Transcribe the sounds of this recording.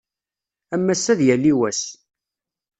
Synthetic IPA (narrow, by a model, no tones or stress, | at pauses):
æmːæsːæðjælːiwæs